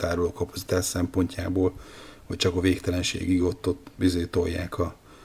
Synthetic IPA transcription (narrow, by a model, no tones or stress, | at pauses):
t̪aːɾuloːkɒpɒ̥tsi̥t̪aːʃsɛmpo̞ɲcaːboːlhoc̚t͡ʃɒkɒveːkt̪ɛlɛnʃḛːɡiɡot̪ːot̪ʋizeːt̪o̞jːa̰ːkʰɒ